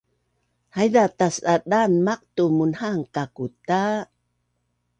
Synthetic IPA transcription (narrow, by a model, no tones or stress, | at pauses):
hajdatasadanmaq̚tumunhaŋkakuta